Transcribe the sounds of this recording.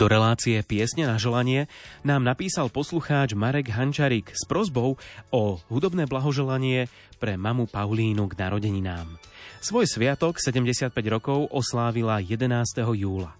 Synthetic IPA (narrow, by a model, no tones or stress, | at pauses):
d̪̥ɔɾɛlaːt͡sijɛpɪɛsɲɛnaʒɛlaɲɪɛnaːmnapiːsalpɔsluxaːd͡ʒmaɾɛɡɦant͡ʃaɾikspɾɔzbɔʊɔɦud̪ɔbnɛːblaɦɔʒɛlaɲɪɛ | pɾɛmamupaʊliːnuɡnaɾɔɟɛɲinaːmsʋɔjsʋɪat̪ɔksɛɟɛmɟɛsɪat̪̚pɛɟɾɔkɔʊʔɔslaːʋilajɛd̪ɛnaːst̪ɛɦɔjuːla̰